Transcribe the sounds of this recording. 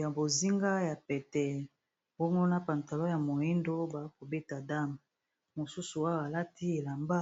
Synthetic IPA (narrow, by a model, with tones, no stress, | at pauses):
ja˨bo˨zi˦ŋɡa˦ja˨pɛ˨tɛ˨ | bɔ˦ŋɡo˦na˦pa˨nta˨lo˦ja˨mo˨i˦ndo˦ba˨˦ko˨be˦ta˨da˦m˨ | mo˨su˦su˨wa˦wa˨la˦ti˦e˨la˨mba˦